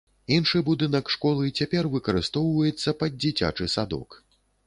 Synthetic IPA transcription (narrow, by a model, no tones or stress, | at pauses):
inʂɨbud̪ɨnɐkʂkɔlˠɨt͡sʲapʲɛrvɨkɐɾɨst̪ɔwvɐjɛt̪sːɐpɐd̪̚d͡zʲit͡sʲa̰t͡ʂɨsad̪ɔ̰k